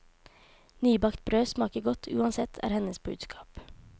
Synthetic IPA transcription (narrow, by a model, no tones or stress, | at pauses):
nyːbɑkt̪̚bɾøːsmɑːkəɡɔt̪ʰʉ̰ːɑnsɛt̪ʰæ̰ːɾhɛnəsbʉ̰ːd̪skʰɑ̥ːp